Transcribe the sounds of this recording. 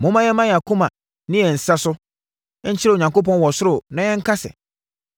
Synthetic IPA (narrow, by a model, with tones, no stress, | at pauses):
mʊ̃˦mã˦jɛ̃˦mã˦ja˨kʰũ˦mã˨ | nɪ̃˦jɛ˨n̩˨sa˦sʊ˦ | ɲ̩˦t͡ɕʰɪ˦ɾɛ˦˨o˨ɲã˨ŋko˦pɔ̃˦nwɔ˨sʊ˦ɾʊ˦nã˨jɛ̃˦ŋ̩˦kʰa˦sɛ̰˨